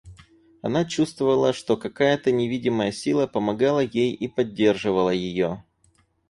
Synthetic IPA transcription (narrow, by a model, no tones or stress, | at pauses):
ɐnat͡ɕust̪vəvəlˠəʂt̪o̞kɐkajət̪ənʲɪvʲidʲɪməjəsʲilˠəpəmɐɡalˠəjejipɐdʲːe̞rʐɨvəlˠəjɪjo̞